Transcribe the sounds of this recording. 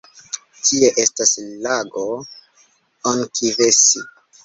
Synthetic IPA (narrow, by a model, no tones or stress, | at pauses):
tʰieʔe̞staslaɡo | onkʰivesi